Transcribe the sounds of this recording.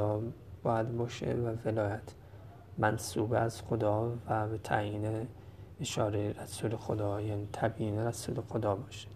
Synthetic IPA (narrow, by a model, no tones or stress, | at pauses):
ɒːb̥ɒːjæd̪bɒːʃḛvæve̞lɒːjæt̪ʰ | mænsuːbæz̥xod̪ɒːvæbe̞t̪ʰæ̰jiːneeʃɒːɾeɾæsulexod̪ɒːjæːniːt̪ʰæbiːneɾæsuːlexod̪ɒːbɒːʃe̥